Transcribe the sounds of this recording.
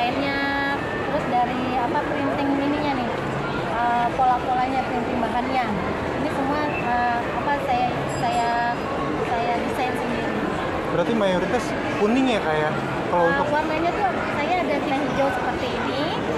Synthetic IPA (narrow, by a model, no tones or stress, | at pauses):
aɪnɲa | t̪əɾʊsdaɾi | apapəɾint̪ɪŋiniɲanɪh | əpolapolaɲapəɾint̪ɪŋbaɦanɲa | inisəmua | ə | apasajai | saja | sajadisansəŋdiɾi | bəɾart̪imajoɾit̪as | punɪŋjakajaʔ | kalounʊkwarɡaɲat̪ʊ | sajaːdatlaŋd͡ʒausəpərt̪iːni